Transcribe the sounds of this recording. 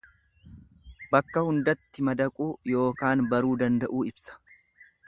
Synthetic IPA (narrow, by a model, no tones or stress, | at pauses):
bɐkːɐhʊnd̪ɐt̪ːɪmɐd̪ɐkʼuːjo̞ːkaːnbɐɾuːd̪ɐnd̪ɐʔuːɪbsɐ̥